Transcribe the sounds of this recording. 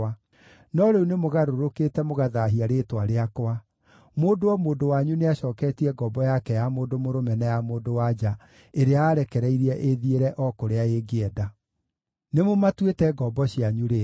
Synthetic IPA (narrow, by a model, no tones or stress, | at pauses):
a | nɔɾeunemoɣaɾoɾoketɛmoɣaðaɦiaɾetwaɾeakoa | moːdoɔmoːdowaɲuneaɕɔːkɛtiɛɡɔbɔjakɛjamoːdomoɾomɛnɛjamoːdowad͡ʑa | eɾeaaːɾɛkɛɾɛiɾiɛʔeðieɾɛʔɔkoɾeaeɡeɛda | nemomatwetɛɡɔbɔɕiaɲuɾe